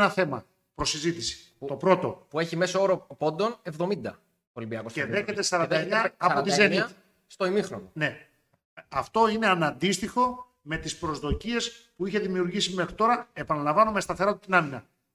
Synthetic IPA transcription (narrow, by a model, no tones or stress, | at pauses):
nɐθe̞mɐ | pɾo̞sizit̪isi̥ | t̪o̞pɾo̞t̪o̞pue̞çime̞sooɾo̞po̞nd̪o̞ne̞vðo̞mind̪ɐ | olimbiɐkoseveçet̪esɐɾɐnnd̪ɐeɲɐːot̪izeniɐ | st̪oimixɾonone̞ | ɐft̪o̞ine̞ɐnɐnd̪ist̪ixo̞ | me̞t̪ispɾo̞zðo̞cie̞spuiçe̞ðimiuɾʝisime̞xɾit̪o̞ɾɐe̞pɐnɐlɐ̃ɱvɐnome̞st̪ɐθe̞ɾo̞t̪it̪inɐminɐ